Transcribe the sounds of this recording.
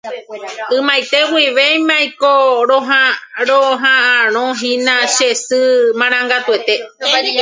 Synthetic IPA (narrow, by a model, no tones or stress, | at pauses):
ɨ̃majt̪e̞wiʋejmãjkoɾõɦaɾoɦããɾ̃õɦĩnãʃesɨmãɾ̃ãŋɡat̪ue̞t̪e̞